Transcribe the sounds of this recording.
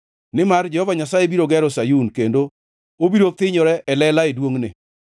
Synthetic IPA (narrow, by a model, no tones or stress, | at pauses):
nɪmard͡ʒɛhɔvaɲasajebiɾoɡɛɾɔsajunkendo | obiɾot̪ɪɲɔɾɛʔɛlɛlaedwoŋnḛ